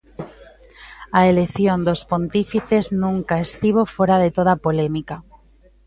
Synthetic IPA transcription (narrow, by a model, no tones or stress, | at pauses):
aeleθjond̪ospont̪ifiθeznũŋkaest̪iβ̞ofoɾaðet̪oð̞apolemika